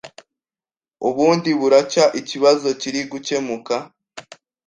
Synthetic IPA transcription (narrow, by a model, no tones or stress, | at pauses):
uβuːndiβuɾacaʔiciβazo̞ciɾiɡuce̞muka